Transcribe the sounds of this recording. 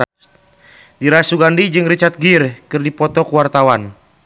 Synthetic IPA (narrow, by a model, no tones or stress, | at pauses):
diɾasuɡandid͡ʒɨŋrit͡ʃat̪̚ɡirkɨrdipɔt̪ɔkuwart̪awan